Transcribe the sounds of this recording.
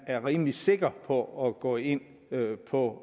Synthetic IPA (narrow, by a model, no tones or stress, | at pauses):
æɐʁiːmlise̝ɡ̥ɐpʰɒ̽ɒɡ̥ɔ̰ːe̝n̰ | pʰɒ̽